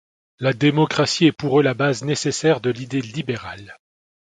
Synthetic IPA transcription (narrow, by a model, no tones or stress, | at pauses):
lad̪emɔkχasiɛpuʁølabaznesesɛʁd̪əlid̪elibeʁal